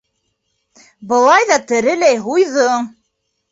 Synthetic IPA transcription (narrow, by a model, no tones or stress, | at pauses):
bɤ̆lˠɑjðɑt̪ɘ̆ɾɘ̆læjɦujðɤ